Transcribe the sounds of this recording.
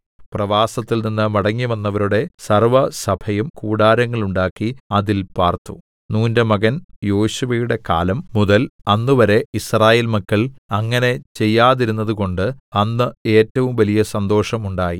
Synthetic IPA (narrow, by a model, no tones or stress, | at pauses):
prɐʋaːsɐt̪ːilninːɨmɐɽɐŋːiʋɐnːɐʋɐɾuɽe̞sɐrʋɐsɐbʰʱɐjumkuːɽaːɾɐŋːɐɭuɳɖaːkːiɐðilpaːrt̪ːu̥̰ | nuːnde̞mɐɣɐnjo̞ːɕuʋɐjuɽe̞ka̰ːlɐmːuðɐlɐnːuʋɐɾe̞israːjeːlmɐkːɐɭɐŋːɐne̞t͡ɕe̞jːaːðiɾunːɐðuko̞ɳɖɨɐnːɨeːtːɐʋumʋɐlijɐsɐnd̪o̞ːʂɐmuɳɖaːji